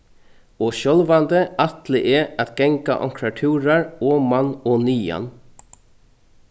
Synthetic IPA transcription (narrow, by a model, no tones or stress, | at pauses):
ɔːʃɔlʋand̪əat̪lɪʔɛat̪ɡɛŋka̰ʔɔ̰ŋkʰɾaʈʰʉːɾaɹɔːmanɔːnyːa̰n